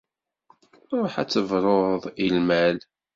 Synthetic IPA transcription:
ɾˤoħæ̰t͡sːəvɾˤoðˤilmæl

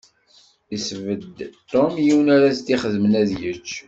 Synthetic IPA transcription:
isvəd̪t̪ːomjiwənaɾast̪iχəðmənæðjət͡ʃː

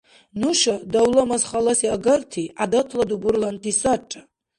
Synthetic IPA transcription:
nuʃadawlamazχalasiaɡərtʰiadatʰladuɡurlantʰisaʈ͡ʂʼa

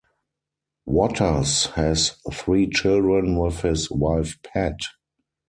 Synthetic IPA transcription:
wɔtʰə˞shɛsθɹiːt͡ʃɪldɹə̃nwɪθhɪswaɪfpʰæt

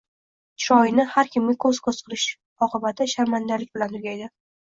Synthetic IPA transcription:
t͡ʃɒjɪnɪhaɾkʲʰɪmɡʲɪkʰɵz̥kʰozqʰɨɾɪʃ | ɒqɨbat̪ʰɪʃaɾmand̪alɪk̚ʲbɪlant̪ʰʊɡʲajd̪ɪ

